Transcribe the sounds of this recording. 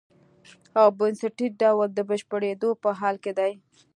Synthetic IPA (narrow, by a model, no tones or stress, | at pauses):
awbənsəʈiɖawəld̪əbəʃpəɽed̪opəɦɑlked̪aj